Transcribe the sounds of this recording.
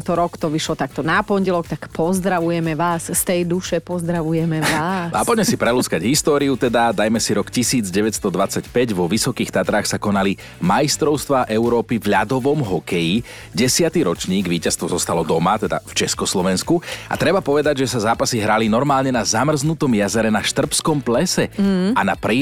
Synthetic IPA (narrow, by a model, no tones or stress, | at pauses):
t̪ɔɾɔkt̪ɔʋiʃlɔt̪ak̚t̪ɔnapɔɲɟɛlɔkt̪akpɔzd̪ɾaʋujɛmɛʋaːsst̪ɛjd̪uʃɛpɔzd̪ɾaʋujɛmɛʋaːaapɔɟmɛsipɾɛlut͡skaɟɦist̪ɔːɾiut̪ɛd̪ad̪ajmɛsiɾɔkcisiːd͡zɟɛʋɛcst̪ɔd̪ʋat͡sacpɛɟʋɔʋisɔkiːxt̪at̪ɾaːxsakɔnali | majist̪ɾɔʊst̪ʋaːʔɛuɾɔːpivʎad̪ɔʋɔmɦɔkɛji | ɟɛsɪat̪iɾɔt͡ʃɲiːɡʋiːcast̪ʋɔzɔst̪alɔd̪ɔmat̪ɛd̪a̰ft͡ʃɛskɔslɔʋɛnskua̰t̪ɾɛbapɔʋɛd̪aɟʒɛsazaːpasiɦɾalinɔɾmaːlɲɛnazamr̩znut̪ɔmjazɛɾɛnaʃt̪r̩pskɔmplɛsɛanapɾiː